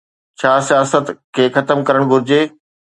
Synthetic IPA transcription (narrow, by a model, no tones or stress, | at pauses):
t͡ɕʰaːsijaːsət̪kʰeːxɐt̪əmkɐɾəɽ̃ɡʱʊɾɪd͡ʑeː